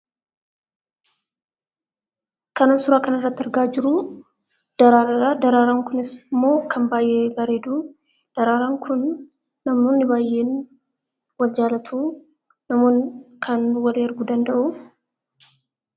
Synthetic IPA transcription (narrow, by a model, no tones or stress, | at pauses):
kɐnaːnsʊɾaːkɐnɐrːɐt̪ːɪɾɡaːd͡ʒɪɾʊ | d̪̥ɐɾaːɾɐɾaːd̪ɐɾaːɾaːŋkʊnɪsmːo̞ːkʰɐnbaːjʔe̞ːbɐɾeːd̪uː | d̪̥ɐɾaːɾaːŋkʰʊnː | ɐmnoːnːɪbaːjʔe̞ːn | wɐld͡ʒaːlɐt̪ʰuː | ɐmoːnkʰɐnwɐliɐɾɡuːd̪ɐnd̪ɐʔʊ